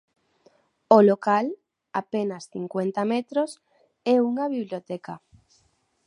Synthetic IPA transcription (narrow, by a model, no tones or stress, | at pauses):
olokal | a̰penɐsθiŋkwent̪ɐmɛt̪ɾos | ɛuŋɐβiβljot̪ɛka